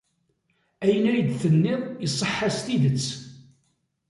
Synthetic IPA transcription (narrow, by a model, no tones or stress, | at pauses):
æjənæjid̪θənːɪðˤjəsˤːəħːast̪iðət͡sː